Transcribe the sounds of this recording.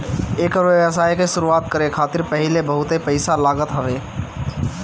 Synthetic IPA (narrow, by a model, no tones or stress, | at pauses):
eːkɾoəs̬aːikeʃʊɾuaːt̪̚kəɾekʰaːt̪ɪɾpəɦɪlebəɦʊt̪epəɪsalaːɡət̪ɦəʋeː